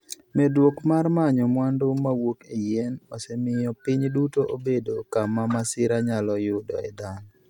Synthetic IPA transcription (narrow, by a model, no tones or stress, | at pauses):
mɛdwokmarmaɲɔmwandomawokejɛnosɛmɪjɔpiɲdutoʔobedokamamasɪɾaɲalɔjʊdɔ̰ɛdaŋɔ